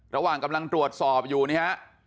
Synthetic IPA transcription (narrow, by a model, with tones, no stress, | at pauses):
ɾa˧waː˨˩ŋka˧mla˧ŋt̪ɾu˨˩ət̪̚sɔː˨˩p̚juː˨˩ni˦˥ha˦˥ʔ